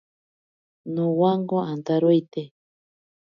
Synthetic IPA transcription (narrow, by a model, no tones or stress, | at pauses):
nũwaŋɡoant̪aɾojt̪e